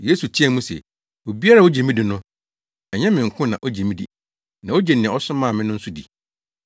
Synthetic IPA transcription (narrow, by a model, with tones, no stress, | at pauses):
je˦su˨t͡ɕʰi˦ɛ˦˨mũ˦sɛ̰˨ | wo˨bi˦a˦a˦˨o˦d͡ʑe˨mĩ˦dɪ˨nʊ̃˦ | ɛ˨ɲɛ̃˦mɪ̃˨ŋ̩˨kʰʊ̃˦nã˨ʔo˦d͡ʑe˨mĩ˦dḭ˨ | nã˨o˦d͡ʑɛ˨n˨ɪ̃˨ɔ˦sʊ̃˦mã˦˨mɪ̃˦nʊ̃˦n̩˦sʊ˦dḭ˨